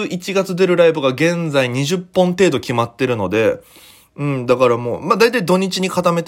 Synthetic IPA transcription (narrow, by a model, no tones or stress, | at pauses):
ɨʔit͡ɕiɡat͡sɨd̪e̞ɾɯ̟ɾaibɯ̟ɡaɡẽ̞nd͡zaiɲ̟iʑɨpːõ̞nt̪e̞ːd̪o̞kʲimat̪ːe̞ɾɯ̟no̞d̪e̞ | ɯ̟̃ɴd̪akaɾamo̞̰ːmad̪ait̪aid̪o̞ɲ̟it͡ɕiɲ̟ikat̪ame̞t̪